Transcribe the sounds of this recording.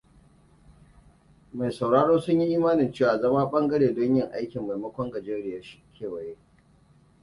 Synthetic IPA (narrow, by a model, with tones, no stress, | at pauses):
ma˨jsa˨wɽaː˦ɽoː˦sʊ˦ɲji˦ʔiː˦maː˦nɪ˨nt͡ʃeː˦˨waː˨zɐ˦maː˦ɓɐ˦ŋɡɐ˦ɽeː˨dʊ˦ɲjɪ˦ŋʔa̰˦jkʲɪ˨mːa˨jmɐ˦kʷɔ˦ŋɡɐ˨d͡ʒeː˦ɽɪ˨ja˦ʃi̥˦kʲʰeː˦˨wɐ˨je˦ʔ